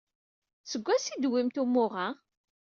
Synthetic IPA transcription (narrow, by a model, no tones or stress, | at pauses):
səɡʷːæsid̪wimt̪umːʊʁa